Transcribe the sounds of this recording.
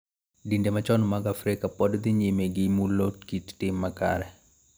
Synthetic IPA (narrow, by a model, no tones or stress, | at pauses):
dindemat͡ʃɔnmaɡafɾɪkapɔdd̪ɪɲimeɡɪmulokittɪmːaka̰ɾɛ